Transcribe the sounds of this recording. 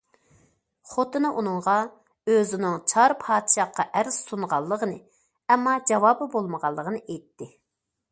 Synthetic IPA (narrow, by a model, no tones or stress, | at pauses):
χot̪ʰɨnɨʔunɨŋʁɑ | øzɪnɪŋt͡ʃʰɑɾpʰɑːd̪ʃɑqːɑʔæɾz̥sunʁɑlˠːəʁənɨ | ɛmːɑd͡ʒɑvɑːbɨbolˠməʁɑlˠːəʁənɨʔejt̪ːɪ